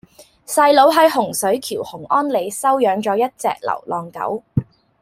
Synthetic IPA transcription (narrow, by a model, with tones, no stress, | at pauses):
sɐ˧jlo˨˥wɦɐ˨˥jɦʊ˨˩ŋsɵ˨˥ɥkʰiː˨˩whʊ˨˩ŋʔɔː˥nle˨˧jsɐ˥wjœː˨˥ŋt͡ʃɔː˨˧˥jɐ˥t̚t͡sɛ̰ː˨˧k̚lɐ̰˨˩wlɔː˨˩ŋkɐ̰˨˥w